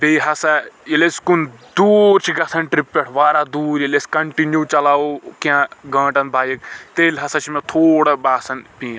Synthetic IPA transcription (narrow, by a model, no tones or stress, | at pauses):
beːɦɐsɐileskund̪uːɾt͡ʃʰiɡɐsɐnʈɾipːeʈʰʋaːɾad̪uːɾilesʲkɐɳʈinjut͡ʃɐlaːokiãɡɐ̃ːʈɐnbʱaːjikt̪eːlʲɦɐsɐt͡ʃʰimẽt̪ʰoːɽɐbaːsɐnpĩːã